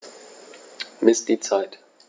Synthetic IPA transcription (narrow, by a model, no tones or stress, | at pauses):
mɪsd̥iːt͡saɪt